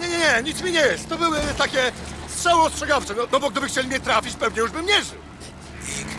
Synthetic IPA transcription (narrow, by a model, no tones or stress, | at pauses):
ɲɛɲɛɲɛɲit̪smʲiɲɛjɛst̪ːɔbɘwɘt̪akʲɛst̪ʂawɔ̃ɔstʂɛɡaft͡ʂɛnɔnɔbɔk̚d̪ɪbɘxt͡ɕelʲimʲɲɛt̪ɾafʲit͡ɕpɛvɲɛjuʐbɘmɲɛʐɘw | i